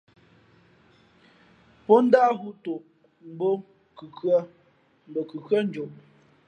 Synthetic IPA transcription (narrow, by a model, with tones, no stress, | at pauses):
pɔ˦n̩˦da˦ɦu˦to˨ | m̩˨˦bo˦ | kʉ˨kə˦ | m̩˨bo˨kʉ˨kə˦n̩˦d͡ʒo˨ʔ